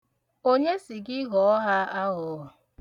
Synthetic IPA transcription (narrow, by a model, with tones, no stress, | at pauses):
o˦ɲe˦si˨ɡɪ˦ɣɔ˨˦ɔ˦ɦa˦a˦ɦʊ˨˦ʊ˨